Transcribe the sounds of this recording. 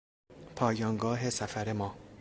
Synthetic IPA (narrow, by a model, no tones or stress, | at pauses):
pʰɒːjɒːŋɡɒːɦesæfæɾemɒː